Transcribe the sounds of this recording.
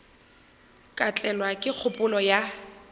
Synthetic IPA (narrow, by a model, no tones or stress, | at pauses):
kʼat͡ɬʼɛlwakʼɪk͡xʰʊpʼʊlɔja